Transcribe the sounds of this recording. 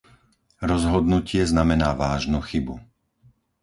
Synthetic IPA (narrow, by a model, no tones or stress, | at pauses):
ɾɔzɦɔd̪nucɪɛznamɛnaːʋaːʒnuxibu